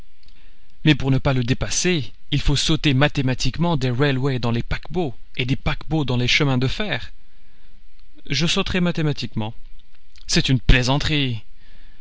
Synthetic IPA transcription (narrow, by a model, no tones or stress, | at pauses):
mɛpuʁnəpaləd̪epase | ilfosot̪emat̪emat̪ikmɑ̃d̪eʁɛlwɛd̪ɑ̃lepakboed̪epakbod̪ɑ̃leʃəmɛ̃d̪əfɛːʁ | ʒəsot̪χɛmat̪emat̪ikmɑ̃ | sɛt̪ynplezɑ̃t̪χi